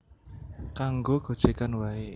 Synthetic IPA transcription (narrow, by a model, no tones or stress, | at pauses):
kaŋɡoɡ̥o̤d̥ʒ̥e̤kanwae